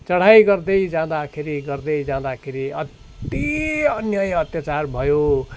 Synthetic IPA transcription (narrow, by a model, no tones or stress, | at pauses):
t͡sʌɽ̤ajɡʌrd̪ʌjd͡zãd̪akʰeɾiɡʌrd̪ʌjd͡zãd̪akʰeɾiʌt̪ | iʌnjʌjʌt̪jat͡sarbʱʌjo